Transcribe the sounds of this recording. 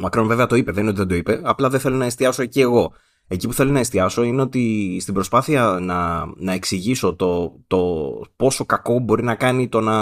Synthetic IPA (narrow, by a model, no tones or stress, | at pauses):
mɐkɾo̞nve̞veɐt̪o̞ipe̞ðenino̞t̪iðed̪o̞ipe̞ɐplɐðeθe̞lo̞nɐest̪iɐso̞ecie̞ɣo̞ | e̞cipu̥θelo̞nɐest̪iɐso̞ine̞o̞t̪ist̪ibɾo̞spɐθiɐnɐnɐe̞ksiʝiso̞t̪o̞t̪o̞po̞so̞kɐko̞bo̞ɾinɐkɐnit̪o̞nɐ